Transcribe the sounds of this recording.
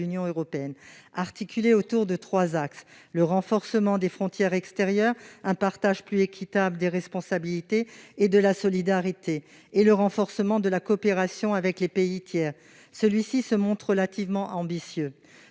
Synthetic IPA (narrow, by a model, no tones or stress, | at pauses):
ynjɔ̃øʁɔpeɛnaʁt̪ikʲʰyleot̪uʁd̪ət̪χwazaksləʁɑ̃fɔʁsəmɑ̃d̪efχɔ̃t̪jɛʁɛkst̪eʁjœʁɛ̃paʁt̪aʒplyekʲʰit̪abləd̪eʁɛspɔ̃sabilit̪eːd̪əlasɔlid̪aʁit̪ʰeː | ləʁɑ̃fɔʁsəmɑ̃d̪əlakɔːpeʁasjɔ̃avɛklepeit̪jɛːʁ | səlɥisisəmɔ̃t̪χʁəlat̪ivmɑ̃ʔɑ̃bisjø